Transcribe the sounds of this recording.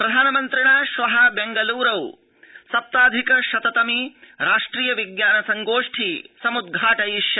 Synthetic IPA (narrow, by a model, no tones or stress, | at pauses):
pɾɐd̪ʱaːnɐmɐnt̪ɾiɳaːʃʋɐɦɐbeŋɡɐluːɾɐw | sɐp̚t̪aːd̪ʱikɐʃɐt̪ɐt̪ɐmiɾaːʂʈɾiːjɐʋiɡjaːnɐsɐŋɡoːʂʈʰisɐmud̪̚ɡʱaːʈɐjiʃjɐ